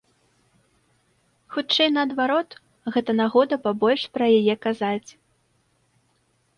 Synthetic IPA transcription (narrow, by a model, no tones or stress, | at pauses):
xut͡ʂɛjnɐːd̪vaɾɔt̪ | ɣɛt̪ɐnaɣɔd̪ɐpabɔlʲʂpɾɐjajɛkazat͡sʲ